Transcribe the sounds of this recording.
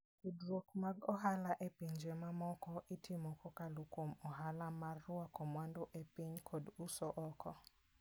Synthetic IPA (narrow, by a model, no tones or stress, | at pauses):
idɾokmaɡɔɦalaʔepiɲd͡ʒɛmamɔkɔʔitʰimɔkʰɔkalokwomɔɦalamarːʊakɔmwandoʔepiɲkʰɔdusɔʔɔkʰɔ